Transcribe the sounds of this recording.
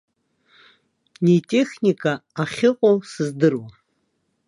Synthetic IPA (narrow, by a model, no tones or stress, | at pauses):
netʼe̞χnikʼaaχʲɪqʼosɨzdɨrwa